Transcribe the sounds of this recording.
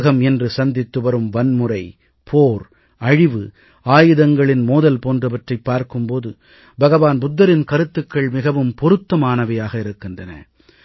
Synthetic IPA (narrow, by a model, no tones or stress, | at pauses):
ɣɐmɛndrɯsɐnd̪ɪt̪ːɯʋɐɾɯmʋɐnmɯrɐɪ | pʰoːɾ | ɐɻɪʋɯ | aːjɯðɐŋɡɐɭɪnmoːðɐlpoːndrɐʋɐʈrɐɪpːaːɾkɯmpoːðɯ | bɐɣɐʋaːnbʊd̪ːɐɾɪnkɐɾɯt̪ːɯkːɐɭmɪɣɐʋɯmpɔɾɯt̪ːɐmaːnɐʋɐjaːɣɐɪɾɯkːɪndrɐnɐ̰